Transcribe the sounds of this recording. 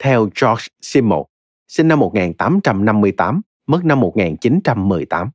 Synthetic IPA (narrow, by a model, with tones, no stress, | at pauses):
t̪ʰɛ˧wt͡ɕɔ˦˥si˧mmːo̰˨˩t̚ | si˧ŋ̟na˧mːo˨˩ŋaː˨˩nt̪aː˨˦mt͡ɕa˧mna˧mːɨ˧əjt̪aː˨˦m | mə˦˥t̚na˧mːo˨˩t̚ŋaː˨˩nt͡ɕi˨˦nt͡ɕa˧mːɨ˨˩əjt̪aː˨˦m